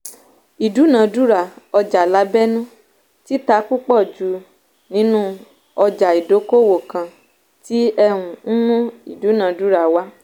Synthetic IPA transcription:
i˨du˨˦nã˨du˦ɾa˨ɔ˧d͡ʒa˨la˨˦bɛ˦nũ˦ | ti˦ta˨˦ku˦k͡pɔ˦˨d͡ʒu˨˦ | nĩ˨˦nũ˦ | ɔ˧d͡ʒa˨i˨do˨˦ko˦wo˨kã˨˧ | ti˦ɛ˧ɾ̃ũ˨n̩˦nũ˦i˨du˨˦nã˨˧du˦ɾa˨wa˦

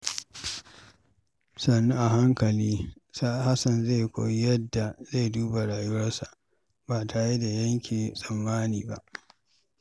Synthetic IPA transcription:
sɐ˨nːu˦ʔa˨ɦa˦ŋkɐ˨liː˦sa˦ha˦sɐ˨nze˦˨jkʷo̰ː˨ji˦jɐ˦dːa˨ze˦˨jduː˦ba˨ɽaː˨jʊ˦wɐ˦rsa˨ʔ | ba˨tʰa˨ji˦da˨jɐ˦ŋkʲʰi˨sʼɐ˨mːaː˦niː˨ba˦ʔ

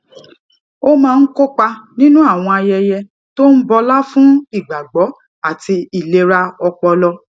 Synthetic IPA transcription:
o˦mãː˦˧n̩˦ko˦k͡pa˧nĩ˦nũ˦a˦˨w̃ɔ̃˧a˧jɛ˧jɛ˧ | to˦n̩˦bɔ˧la˦fũ˦i˦˨ɡ͡ba˨ɡ͡bɔ˨˦ | a˦˨ti˧i˨le˧ɾa˧ɔ˧k͡pɔ˧lɔ˧

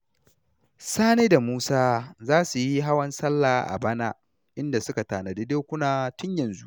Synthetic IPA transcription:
saː˦neː˦da˨muː˦saː˦zaː˦su˨ji˦ɦa˦wɐ˦nsɐ˦lːaː˨ʔa̰˨bɐ˦naː˦ | ʔɪ˦nda˨sʊ˦ka˨taː˨na˨deː˦deː˦kʷʊ˦naː˨tʊ˦ɲjɐ˨nzu˦ʔ

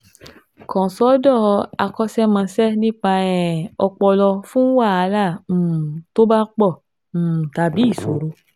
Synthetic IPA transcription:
kɔ̃˨sɔ˦dɔ˦˨˧a˧kɔ˦sɛ˦mã˧sɛ˦nĩ˦k͡pa˧ɛ˨ɔ˧k͡pɔ˧lɔ˧fũ˦wa˦˨a˧lã˦˨to˦ba˦k͡pɔ̃˦˨ | ta˨bi˨˦i˦˨so˨ɾo˧˦

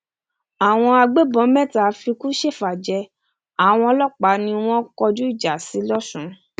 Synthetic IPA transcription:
a˨w̃ɔ̃˧a˧ɡ͡be˦bɔ̃˨˦mɛ̃˦˨ta˨˦fi˧ku˦ʃe˦˨fa˨d͡ʒɛ˧ | a˨w̃ɔ̃˧lɔ˦k͡pa˨˦nĩ˧w̃ɔ̃˦kɔ˧d͡ʒu˦i˦˨d͡ʒa˨si˨˦lɔ˦ʃũ˨˦

